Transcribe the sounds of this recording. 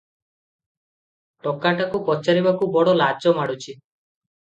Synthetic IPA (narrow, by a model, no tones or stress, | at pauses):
ʈɔkːaʈakupɔt͡ʃaɾibakubɔɽɔlad͡ʒɔmaɽut͡ʃʰi